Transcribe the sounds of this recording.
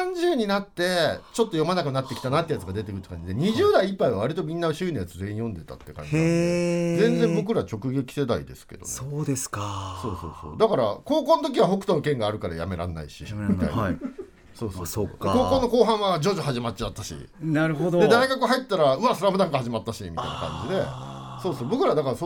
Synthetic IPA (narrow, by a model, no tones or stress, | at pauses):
ãɲ̟d͡ʑɨːɲ̟inat̪ːe̞t͡ɕo̞t̪ːo̞jo̞manakɯ̟nat̪ːekʲi̥t̪anat̪ːejat͡sɨɡad̪e̞t̪ekɯɯ̟t̪ːkãɲ̟d͡ʑid̪e̞ɲ̟iʑɨːd̪aiipːaiβaβaɾʲit̪o̞mʲĩnːaɯɕɨːinajat͡sɨze̞ːĩjõ̞nd̪e̞t̪a̰t̪ːe̞kã̰ɲd͡ʑi | zẽ̞nd͡zẽ̞bo̞kɯ̟ɾat͡ɕo̞kɯ̟ɡe̞kʲi̥se̞d̪aḭd̪e̞sɨ̥ke̞̰d̪o̞̰nsoːd̪eskaso̞ːso̞̰ːso̞̰ːd̪akaɾako̞ːkõ̞nt̪o̞k̬ʲiβ̞aɦo̞kɯ̥t̪ookẽ̞ŋɡaːɾɯ̟kaɾaja̰me̞ɾã̰nːa̰ḭɕḭmit̪a̰ḭn | so̞ːsoːd̪eko̞ːkõ̞nːo̞ko̞ːɦãɰ̃βad͡ʑo̞ʑoɦaʑimat͡ɕt͡ɕːiat̪ːaɕḭnaɾɯ̟ɦod̪od̪e̞d̪aiɡakɯɦait̪et̪ːaɾaɯ̟βasoɾamɯnãŋkahaʑimat̪ːaɕimʲit̪a̰ina̰kã̰ɲd͡ʑid̪e̞ | so̞ːso̞ːbo̞kɯ̟ɾad̪akaɾaso